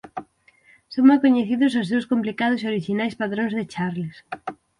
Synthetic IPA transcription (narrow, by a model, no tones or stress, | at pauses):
soŋmajkoɲeθiðʊsazðowskomplikað̞ʊsoɾiʃinajspaðɾõŋzðɪt͡ʃaɾlɪs